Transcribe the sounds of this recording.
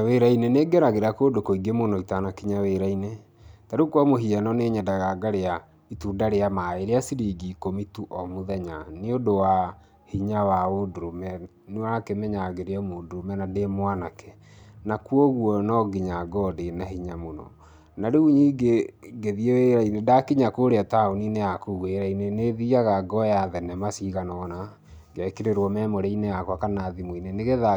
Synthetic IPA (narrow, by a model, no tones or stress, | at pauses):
weɾaineneɡɛɾaɣeɾakoːdokoiɡemonɔitanakiɲaweɾaine | taɾekwamoɦianɔneːɲadaɣaɡaɾea | itudaɾeamaeɾeasiɾiɡikomituʔɔmoðɛɲaneodowa | hiɲawaodoɾomɛ | newakemɛɲaɣeɾeamodoɾomɛnademwanakɛ̥ | nakuɔɣwɔnɔɡiɲaɡɔdenahiɲamonɔ̰ | naɾeuɲiɡeɡeðieeɾainedakiɲakoːɾeataoninejakuɣweɾaineneðiaɣaɡɔjaðɛnɛmasiɣanɔna | ɡakeɾeɾwɔmɛmoɾɛineakwakanaːðimwineneɣeða